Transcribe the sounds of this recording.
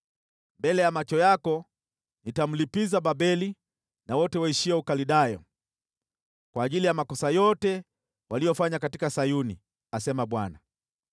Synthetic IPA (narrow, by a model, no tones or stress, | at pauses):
mbɛlɛjamat͡ʃɔjakɔ | nitam̩lipizaɓabɛli | nawɔtɛwaiʃiaukaliɗajɔ̰ | kwaːʄilijamakɔsajɔtɛ | wʔalijɔfaɲakatikasajunḭ | asɛmaɓwana